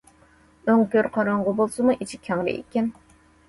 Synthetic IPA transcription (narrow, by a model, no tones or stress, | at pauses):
øŋkʲøɾqʰɑɾɑɴʁəbolˠsɨmuʔit͡ʃʰikʲʰæŋɾɪ̰ʔḛkʲɛn